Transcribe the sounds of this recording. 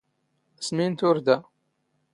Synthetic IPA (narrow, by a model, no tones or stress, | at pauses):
smint̪ʊɾd̪æ